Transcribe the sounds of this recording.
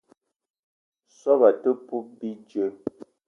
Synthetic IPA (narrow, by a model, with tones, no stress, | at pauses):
sɔ˦ba˨tə˦pu˦bi˦d͡ʒə˦